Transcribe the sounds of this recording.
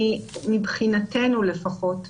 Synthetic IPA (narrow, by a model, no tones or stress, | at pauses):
imibχinate̞nule̞faχo̞t